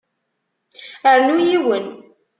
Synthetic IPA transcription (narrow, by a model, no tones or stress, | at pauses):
əɾnujiwən